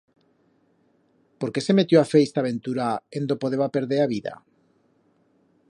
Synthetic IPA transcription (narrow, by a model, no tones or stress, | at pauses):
poɾkesemet̪joafejst̪aβẽnt̪uɾaend̪opoð̞eβapeɾðeɾaβiða̰